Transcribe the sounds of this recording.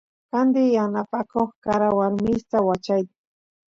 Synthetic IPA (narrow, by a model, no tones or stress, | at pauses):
kand̪ɪjanapakoχkaɾawaɾmɪst̪awat͡ʃajt̪ɪ